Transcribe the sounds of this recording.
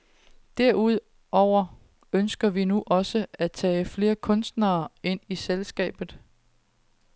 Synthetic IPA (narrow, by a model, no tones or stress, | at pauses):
d̥æɐ̰uð̞̰ˠ | ɒʊ̰ɐ | ønsɡ̥ɐʋinuʔɒ̽səæt͡sʰɛ̰ːɪfle̝ːɐkʰɔ̽nsd̥nɐːe̝n̰iselsɡ̥ɛ̰ːb̥ð̩ˠ